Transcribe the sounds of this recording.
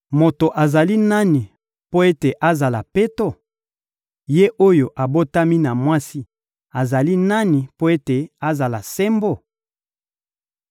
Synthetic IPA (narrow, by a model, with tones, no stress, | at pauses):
mo˨to˨ʔa˨za˨li˦na˦ni˨ | po˦e˦te˨ʔa˦za˨la˨pe˦to˦˨ | je˦ʔo˦jo˨ʔa˨bo˦ta˦mi˦na˨mwa˦si˦ | a˨za˨li˦na˦ni˨po˦e˦te˨a˦za˨la˨se˦mbo˦˨